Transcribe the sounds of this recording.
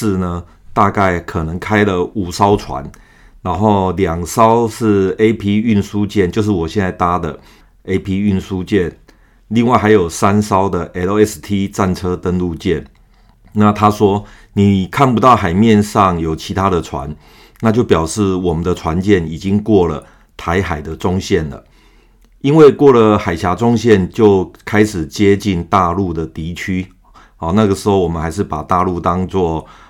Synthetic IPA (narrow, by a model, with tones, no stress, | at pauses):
ʂ̩˥˨nə˩t̪a˥˧ka˥˩ɪkʰɤ˨˩nə˧˦ŋkʰa˥ɪlə˨u˨˩sɑ˥ʊt͡sʰwa̰˧˦n | na˧˦nxo˥˩ʊljɑ˨˩ŋsɑ˦ʊʂɻ̩˥˩e˥ɪpʰi˥y˥˧nsu˦˥t͡ɕjɛ˥˨nt͡ɕjo˥˧ʊʂ̬ɻ̩˥˩wɔ˨˩ɕjɛ˥˧nt͡sa˥ɪt̪a˥d̪ə˨ | e˥ɪpʰi˥y˥˩nsu˦t͡ɕjɛ˥˩n | li˥˧ŋwa˥˩ɪxa˧˥ɪjo˨˩ʊsa˦nsɑ˥ʊd̪ə˨ʔɛ˧˥o˥˦ɛ˥st̪ʰi˥t͡sa˥˩nt͡sʰɤ˥t̪ə˥nlu˥˧t͡ɕjɛ˥˩n | na˥˨t̪ʰa˥ʂwɔ˥ | ni˨˩kʰa˥˩npu˧˦t̪ɑ˥˩ʊxa˨˩ɪmjɛ˥˧nʂɑ˥˨ŋjo˨˩ʊt͡ɕʰi˧˥t̪ʰa˦˥d̪ə˨ʈ͡ʂʰwa̰˧˦n | na˥˧t͡ɕjo˥˩ʊpjɑ˨˩ʊʂɻ̩˥˩wɔ˨˩mə˨nd̪ə˨ʈ͡ʂʰwa˧˦nt͡ɕjɛ˥˨ni˨˩t͡ɕi˦˥ŋkwɔ˥˩lə˩ | t̪ʰa˧˥ɪxa˨˩ɪd̪ə˨ʈ͡ʂʊ˥ŋɕjɛ˥˩nlə̰˩ | i˦˥nwe˥˩ɪkwɔ˥˩lə˩xa˨˩ɪɕja˧˥ʈ͡ʂʊ˥ŋɕjɛ˥˨nt͡ɕjo˥˩ʊkʰa˥ɪʂɻ̩˨˩t͡ɕjɛ˦˥t͡ɕi˥˩nt̪a˥˧lu˥˩d̪ə˩t̪i˧˥t͡ɕʰy˥˨˩ | na˥˩ɡə˩ʂɻ̩˧˥ho˥˩ʊwɔ˨˩mə˦nxa˧˥ɪʂ̬ɻ̩˥˩pa˨˩t̪a˥˧lu˥˧t̪ɑ˦ŋt͡swɔ˥˩